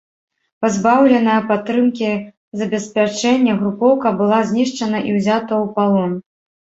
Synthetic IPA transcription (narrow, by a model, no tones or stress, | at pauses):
pazbawlʲɛnɐjɐpat̪ːɾɨmkʲi | zɐbʲɛsʲpʲat͡ʂɛnʲːɐɣɾupɔwkɐbɨlˠazʲnʲiʂt͡ʂɐnɐʔiwzʲat̪ɐwpalˠɔn